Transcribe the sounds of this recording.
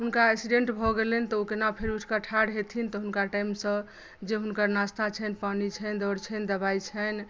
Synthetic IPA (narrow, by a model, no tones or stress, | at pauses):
ɦunkaɛksiɖẽɳʈbʱɔɡelɛnt̪ɔokenapʰeɾuʈʰkaʈʰaɽɦet̪ʰint̪ɔɦunkaʈajmsə̃ | d͡ʒeɦunkəɾnast̪ʰat͡ʃʰɛnpanit͡ʃʰɛnd̪ɔɾt͡ʃʰɛnd̪əbajt͡ʃʰən